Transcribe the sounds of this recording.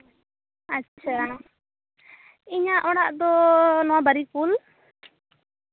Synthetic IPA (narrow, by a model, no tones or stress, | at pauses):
ət͡ʃʰa | iɲaʔɔɽaʔd̪ɔnɔwabəɾipul